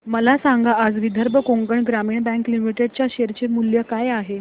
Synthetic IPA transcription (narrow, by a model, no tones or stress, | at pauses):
məlasaŋɡaːd͡zʋid̪ʱəɾbʱəkoŋɡəɳɡɾamiːɳbɛ̃ŋklimiʈeɖt͡ɕjaɕeɾt͡ɕemuljəkajaɦe